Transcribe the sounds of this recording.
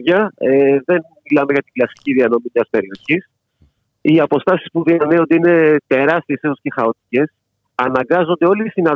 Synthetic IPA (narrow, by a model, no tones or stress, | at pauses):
ʝɐeðe̞nmilɐme̞ʝɐt̪iɡlɐsi̥ciðiɐno̞mimɐspe̞ɾio̞çis | iɐpo̞st̪ɐsispuðiɐneo̞nd̪eine̞t̪e̞ɾɐst̪iesesusce̞xɐo̞t̪i̥ce̞s | ɐnɐŋɡɐzo̞nd̪e̞o̞list̪inɐ